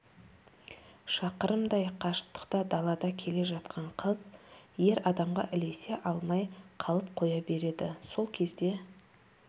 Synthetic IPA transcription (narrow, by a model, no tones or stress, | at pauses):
ʃɑqəɾəmd̪ɑjqʰɑʃə̥qt̪ə̥qt̪ɑd̪ɑlˠɑd̪ɑkʲʰe̞le̞ʒɑt̪qʰɑɴqʰəzje̞ɾɑd̪ɑmʁɑ̰ʔɪle̞se̞ʔɑlˠmɑjqʰɑlˠəp̚qʰo̞jɑbe̞ɾe̞d̪ɪso̞lˠkʲʰe̞zd̪e̞